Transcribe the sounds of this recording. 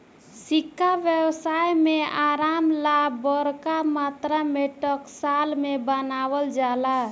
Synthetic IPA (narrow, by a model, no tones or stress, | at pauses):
sikʰːabjəwsajmeaɾamlabəɾkamat̪ɾameʈəksalmebənawəld͡ʒala